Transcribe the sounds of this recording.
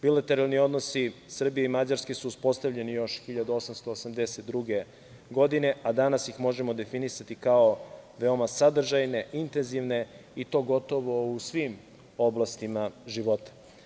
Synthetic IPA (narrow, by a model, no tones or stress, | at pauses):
bilat̪e̞ɾalˠnio̞d̪no̞sisr̩bijeimad͡ʑaɾske̞suːspo̞st̪avʎe̞nijo̞ʃxiʎad̪uo̞samst̪oːsamd̪e̞set̪d̪ɾuɡe | ɡo̞d̪ine̞ʔad̪anasjixmo̞ʒemo̞d̪e̞finisat̪ikaoʋe̞omasad̪r̩ʒajne̞ʔint̪enziʋne̞it̪o̞ːɡo̞t̪o̞ʋo̞usʋim | oblˠast̪imaʒiʋo̞t̪ḁ